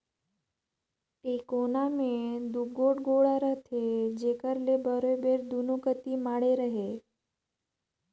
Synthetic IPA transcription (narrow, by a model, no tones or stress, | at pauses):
ʈekonamẽd̪uɡoɽɡoɭaɾəɦt̪ʰed͡ʒekəɾlebəɾobeɾd̪unokət̪imaːɽeɾəɦe